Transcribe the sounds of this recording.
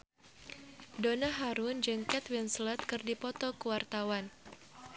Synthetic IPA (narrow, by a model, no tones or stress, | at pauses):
donaɦaɾund͡ʒɨŋkɛt̪winslɛt̪̚kɨrdipɔt̪ɔkəwart̪awan